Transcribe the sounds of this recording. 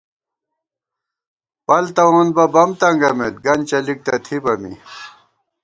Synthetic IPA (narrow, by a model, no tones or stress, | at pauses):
pɐlt̪ɐwoːnbɐbɐmt̪ɐŋɡɐmet̪̚ɡɐnt͡ɕɐlik̚t̪ɐt̪ʰibɐmḭ